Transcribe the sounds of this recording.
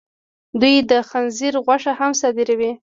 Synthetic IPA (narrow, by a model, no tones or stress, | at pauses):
d̪ujd̪əxanziɾɣwaʂahamsɑd̪iɾawi